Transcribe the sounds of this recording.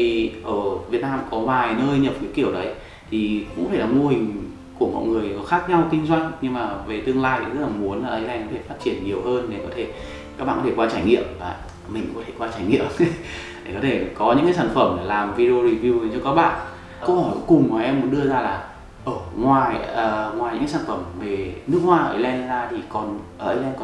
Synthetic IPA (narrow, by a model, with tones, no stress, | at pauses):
i˨˩ʔəː˧˩vi˨˩ət̚naː˧mkɔ˨˦vaː˨˩jnəː˧jɲə˨˩p̚kaː˨˦jki˧˩əwɗə˨˦j | t̪ʰi˨˩kṵ˧˥ɔ˨fʰaː˧˩laː˨˩mo˧hï˨˩ŋ̟ | ku˧˩əmɔ̰˧˨jŋɨ˨˩əjxaː˦˥k̚ɲa˧wkï˧ŋ̟zwa˧jŋ̟ɲɨ˧ŋmaː˨˩ve˨˩t̪ɨ˧əŋlaː˧jzə˦˥t̚laː˨˩mu˨˦ənaː˨˩ʔə˨˦jʔa˧jŋ̟kɔ˨˦t̪ʰe˧˩faː˦˥t̚t͡ɕi˧˩ənɲi˨˩əwhəː˧nɗe˨˩kɔ˨˦t̪ʰe˧˩ | ka˦˥k̚ɓa̰ː˧˨kɔ˨˧t̪ʰe˧˩kwaː˧t͡ɕaː˧˩jŋḭ˧˨əmvaː˨˩ | mï˨˩ŋ̟kɔ˨˦t̪ʰe˧˩kwaː˧t͡ɕaː˧˩jŋḭ˧˨əmɗe˨˩kɔ˨˦t̪ʰe˧˩kɔ˨˦ɲɨ̰˧˥ŋkaː˨˦s̬aː˧˩nfə˧˩m˨˩laː˨˩mvi˧ɾe˧o˧ɾi˧˩vi˧wt͡ɕɔ˧kaː˦˥k̚ɓa̰ː˧˨nʔ | kə˧whɔ˧˩jkkʊ˨˩ŋ͡mmɔː˨˩ʔɛ˧mːu˨˦ənɗɨ˧əzaː˧laː˨˩ | ʔəː˧˩ŋwaː˨˩jəː˨˩ŋwaː˨˩jɲɨ̰˧˥kaː˨˦saː˧˨˩n˩fə˧˩mve˨˩nɨ˦˥ək̚hwaː˧ʔəː˧˩ʔəː˧˩˧lɛ˧nzaː˧t̪ʰi˨˩kɔ˨˩nʔəː˧˩ʔə˧jlɛ˧nkɔ˧